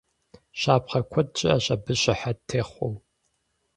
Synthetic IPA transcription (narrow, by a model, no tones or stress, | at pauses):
ɕaːpχɐkʷʰɔd̚t͡ʃʼɪɐɕɐbɨɕɪħatʰeːχʷɔw